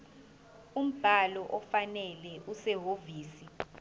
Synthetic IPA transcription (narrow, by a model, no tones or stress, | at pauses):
um̩b̥ʱalɔʔɔfanɛlɛʔusɛɦoviːsi